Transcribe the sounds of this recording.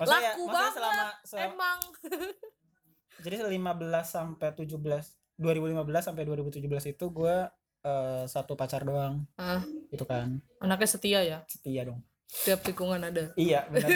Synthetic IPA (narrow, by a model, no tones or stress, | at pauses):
maslajauabaajasəlamasəlemaŋ | d͡ʒadisəlimabəlasːampajt̪ud͡ʒubəlas | duaɾibulimabəlasːampajduaɾibut̪ud͡ʒubəlasit̪uɡua | əːsat̪upat͡ʃardoaŋahɡit̪ukan | anakjasət̪iajasə̥t̪iadɔŋ | sət̪iap̚sikuŋanadaijabənə